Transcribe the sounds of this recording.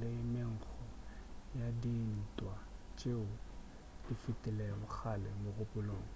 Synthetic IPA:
lɪɪmɪŋ̩k͡xʰɔjadin̩tʼwa | t͡ʃʼeʊ | d̥ifitʼɪlɛmʊk͡xʰalɛmʊrʊpʼʊloːŋ̩

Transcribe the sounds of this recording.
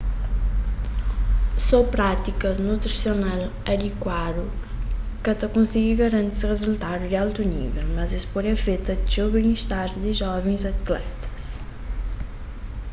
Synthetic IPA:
sɔpɾat̪ikɐznut̪ɾisional | ɐd̪ikwad̪u | kɐt̪ɐkõnsiɡiɡɐɾɐ̃nt̪isʁezult̪ad̪ud̪ialt̪unḭvɛlmɐzespɔɾɐfet̪ɐʒoβẽŋiʃt̪aɾd̪ɪʒɔvẽj̃zɐt̪lɛ̰t̪ɐ̥s

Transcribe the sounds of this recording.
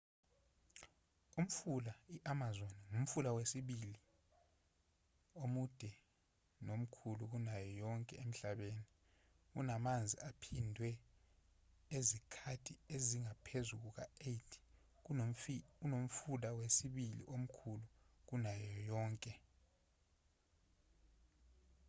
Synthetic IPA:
um̩fulaiʔamazoniŋum̩fulawesiɓili | omud̥ʱɛ | nom̩kʰuluk̬unajɔjɔŋkʼɛem̩ɬaɓeːni | k̬ṵnamand͡zʱiapʰindʱwɛ | ezikʰatʰieziŋapʰezuk̬uk̬a̰etʰi̥ | unom̩fulawesiɓilḭʔom̩kʰuluk̬unajɔjɔːŋkʼɛ

